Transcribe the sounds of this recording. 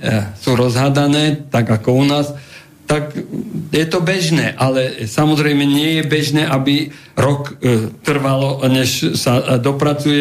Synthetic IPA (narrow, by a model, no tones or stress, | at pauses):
suːɾɔzɦad̪anɛːt̪aɡakɔunaːs | t̪akjɛt̪ɔbɛʒnɛːʔalɛsamɔzɾɛjmɛɲɪɛjɛbɛʒnɛːʔabi | ɾɔkt̪r̩ʋalɔɲɛʃsad̪ɔpɾat͡sujɛ